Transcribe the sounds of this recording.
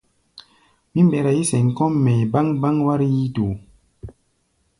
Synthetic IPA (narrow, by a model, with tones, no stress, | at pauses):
mi˦mbɛ˨ɾa˨ji˦sɛ˨ŋ˨kɔ˦mːɛ˨jba˦ŋba˦ŋwa˦ɾji˦to˨